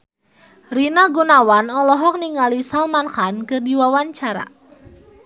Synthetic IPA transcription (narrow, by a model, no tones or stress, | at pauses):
rinaɡunawanɔlɔɦɔk̚niŋalisalmanxankɨrdiwawaɲt͡ʃaɾa̰